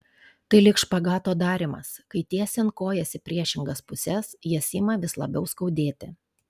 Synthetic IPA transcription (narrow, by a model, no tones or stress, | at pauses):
t̪ɐɪlʲɪkʃpɐɡɑːt̪oːd̪ɑːɾʲɪmɐ̰skɐɪt̪ʲiɛsʲɛnkoːjɛsʲɪpʲɾʲiɛʃʲɪŋɡɐspʊsʲɛsjiɛsʲɪmɐʋʲɪslˠɐ̰bʲɛʊskɒʊd̪ʲeːt̪ʲɪ